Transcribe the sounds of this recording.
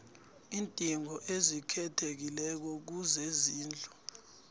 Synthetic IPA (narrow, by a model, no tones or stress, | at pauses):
iːntʼiŋɔʔezikʰɛtʰek̬ilɛk̬ɔk̬uzeziːnd͡ɮʱɔ